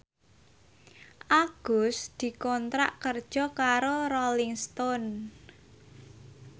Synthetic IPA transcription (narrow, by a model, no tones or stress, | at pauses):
ʔaɡ̥ʊsd̪̥i̤kɔnt̪ɾa̰ʔkərd̥ʒ̥ɔ̤kaɾoɾɔliŋst̪ɔn